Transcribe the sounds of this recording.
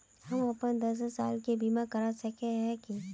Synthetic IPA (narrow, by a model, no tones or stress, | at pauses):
hɐmɐpənd̪ɐs̬saːlkebiːmakɐɾasɐkeɦɛ̃ki